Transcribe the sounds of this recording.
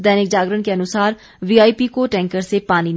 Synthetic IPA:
d̪ɛːnɪk̚d͡ʒaːɡɾənkeɐnʊsaːɾ | ʋiːaːipikoʈɛ̃ːŋkəɾsepaːnin

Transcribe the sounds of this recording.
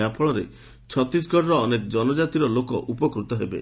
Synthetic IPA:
japʰɔɭɔɾḛ | t͡ʃʰɔt̪ɾisɡʱɔʈɾɔːnekɔd͡ʒɔnɔd͡ʒat̪iɾɔlokɔʔupɔkɾut̪ɔɦebḛ

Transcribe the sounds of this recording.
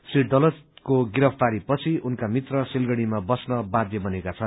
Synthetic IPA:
siʈɖʌlʌd͡zkoɡiɾʌpʰt̪aɾipʌt͡sʰiunkamit̪rʌsilɡʌɽ̃imabʌsnʌbãd̪jʌbʌnekat͡sʰʌn

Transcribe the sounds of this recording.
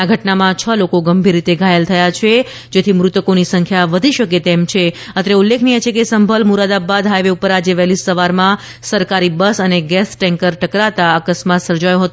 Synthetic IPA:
aɡʱəʈnamãt͡ʃʰəlokoɡəmbʱiɾːit̪eɡʱajəlt̪ʰəjat͡ʃʰe | d͡ʒet̪ʰimɾut̪əkonisəŋkʰjaʋəd̪ʱiʃəket̪emt͡ʃʰe | ət̪ɾeulːekʰnijet͡ʃʰekesəmbʱəlmuɾad̪abad̪ɦajʋeupəɾad͡ʒeʋɛlisəʋaɾmã | səɾkaɾibəsəneɡɛsʈɛ̃ŋkəɾʈəkɾat̪aəkəsmat̪səɾd͡ʒajõɦət̪õ

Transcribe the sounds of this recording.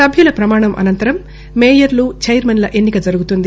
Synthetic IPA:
ɐbʱjulɐpɾɐmaːɳɐmʔɐ̰nɐnt̪ɐɾɐmː | eːjɐɾlut͡ʃɐjɾmɐnlɐʔe̞nːikɐd͡ʒɐɾuɡut̪und̪i

